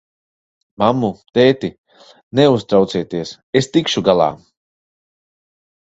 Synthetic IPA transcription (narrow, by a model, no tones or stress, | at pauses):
mamːut̪ɛːt̪i | nɛust̪ɾawt̪siɛt̪iɛs | est̪ikʃuɡalˠa̰ː